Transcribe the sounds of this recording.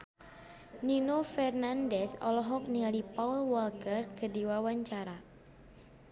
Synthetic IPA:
ninofɛrnandɛsɔ̰lɔɦɔk̚niŋalipaulwɔlkərkədiwawaɲt͡ʃaɾa

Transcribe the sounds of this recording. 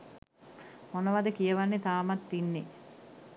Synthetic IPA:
monəʋad̪əkijəʋanːet̪aːmat̪ːinːe

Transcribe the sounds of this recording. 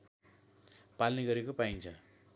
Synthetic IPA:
palniɡʌɾekopaint͡sʰʌ

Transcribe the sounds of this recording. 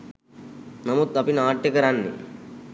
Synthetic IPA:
namud̪apinaːʈːjekəɾanːḭ

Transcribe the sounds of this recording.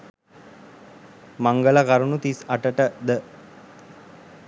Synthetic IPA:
maŋɡəlakaɾunut̪isaʈəʈəd̪ə

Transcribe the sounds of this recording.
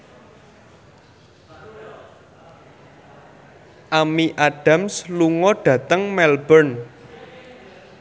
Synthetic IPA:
ʔamiʔaɖ̥a̤msluŋɔɖ̥ä̤t̪əŋmɛlbən

